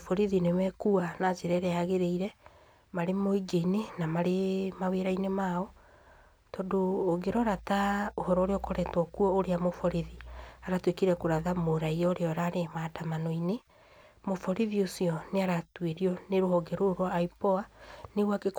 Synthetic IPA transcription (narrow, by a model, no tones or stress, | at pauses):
fɔɾiðinemɛkuanazeɾɛɾɛaɣeɾeiɾɛ | maɾemoiɡeinenamaɾemaweɾainemaɔ | tɔːdoːɡeɾɔɾataohɔɾɔɾeɔkɔɾɛtwɔkuɔoɾeamofɔɾiðiaɾatwekiɾɛkoɾaðamoɾaiaoɾeɔɾaɾematamanoine | mofɔɾiðiosiɔneaɾatweɾiɔneɾohɔɡeɾoɾwɔːipɔaneɣwakek